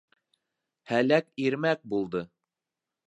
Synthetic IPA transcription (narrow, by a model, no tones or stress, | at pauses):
hælækiɾmæk̚bulˠd̪ɤ